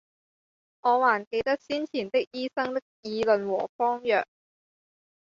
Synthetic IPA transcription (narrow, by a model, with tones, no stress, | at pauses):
ŋɔː˨˧waː˨˩nke˧jt̪ɐ˥k̚siː˥nt͡sʰiː˨˩nt̪ɪ˥k̚jiː˥sɐ˥ŋt̪ɪ˥k̚jiː˨˧lɵ˨nwɔ̰ː˨˩fɔː˥ŋjœ̰ː˨k̚